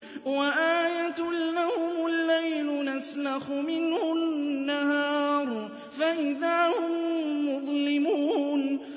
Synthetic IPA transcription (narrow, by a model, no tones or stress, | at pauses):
waʔaːjat̪lahʊmʊlːajlʊnaslaxʊmɪnhhʊnnːahɑːɾˤ | faʔɪðaːhʊmːʊðˤlɪmuːn